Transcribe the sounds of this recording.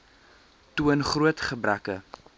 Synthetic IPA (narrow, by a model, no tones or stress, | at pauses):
tuənχruətχəbɾækə